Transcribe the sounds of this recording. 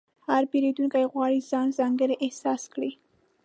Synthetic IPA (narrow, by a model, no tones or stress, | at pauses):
haɾbeɾed̪uŋkajɣwɑɽizɑnzɑŋɡəɾeʔɪhsɑskɽi